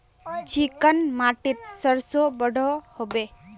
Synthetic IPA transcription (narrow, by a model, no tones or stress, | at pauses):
t͡ʃikənmaːʈit̪səɾsobəɽ̤ʱɔhobe